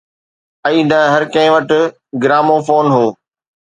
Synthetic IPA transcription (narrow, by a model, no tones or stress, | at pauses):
ɐiːɗɐ̃ːɦɐɾkɐ̃ɦɪ̃ʋɐʈɪ | ɡɪɾaːmofoːnɦoː